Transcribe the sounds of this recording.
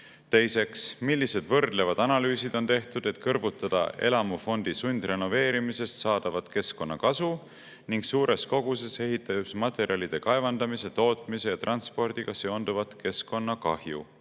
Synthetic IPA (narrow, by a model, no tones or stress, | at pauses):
t̪e̞jse̞ksmilʲːise̞d̪vɤrd̪̥le̞vɑd̪̥ɑnɑlyːsid̪̥o̞nt̪e̞ht̪ud̪̥e̞t̪kɤrvut̪ːˑɑd̪̥ɑ̰e̞̰lɑmufo̞nd̪̥isunʲd̪re̞no̞ve̞ːɾimise̞st̪sɑːd̪̥ɑvɑt̪ke̞sko̞nːɑkɑsu | niŋɡsuːɾe̞sko̞ɡ̥use̞se̞ɦit̪ːˑɑjusmɑt̪ˑe̞ɾiɑlʲid̪̥e̞kɑevɑnd̪̥ɑmise̞t̪o̞ːt̪ˑmise̞jɑt̪rɑnspo̞rd̪̥iɡ̥ɑse̞o̞nd̪̥uvɑt̪ke̞sko̞nːɑkɑhjṵ